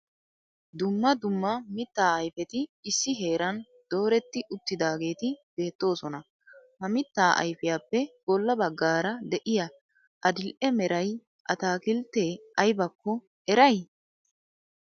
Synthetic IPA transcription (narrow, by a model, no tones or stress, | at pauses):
d̪ʊmːɐd̪ʊmːɐmɪt̪ːaːɐjfɛt̪ɪɪsːɪɦe̞ːɾɐn | d̪̥o̞ːɾɛt̪ːɪʔʊt̪ːɪd̪aːɡe̞ːt̪ɪb̥e̞ːt̪ːo̞ːsɔnɐ | hɐmɪt̪ːaːʔɐ̰jfɪjaːpːɛɡ̥ɔlːɐbɐɡːaːɾɐd̪ɛʔɪjɐ | ʔɐd̪ɪlʔɛmɛɾʔɐj | ʔɐt̪aːkɪlt̪ːeːʔɐjbɐkːɔ | ɛɾɐj